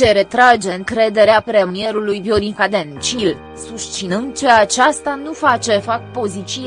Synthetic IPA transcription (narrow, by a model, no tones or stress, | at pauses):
t͡ʃe̞ɾe̞t̪ɾad͡ʒe̞ɨŋkɾe̞d̪e̞ɾeapɾe̞mije̞ɾulujbjoɾiŋkad̪e̞nt͡ʃil | sust͡ʃinɨnd̪̚t͡ʃe̞at͡ʃast̪anufat͡ʃe̞fak̚t̪̚po̞zit͡ʃi